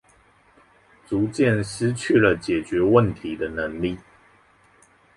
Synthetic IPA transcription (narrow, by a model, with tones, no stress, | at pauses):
t͡su˨˦t͡ɕjɛ˥˨nʂɻ̩˦t͡ɕʰy˥˩lə˨t͡ɕjɛ˨˩t͡ɕɥɛ˨˦wə˥˨nt̪ʰi˨˦d̪ə˧nə˨˦ŋli˥˨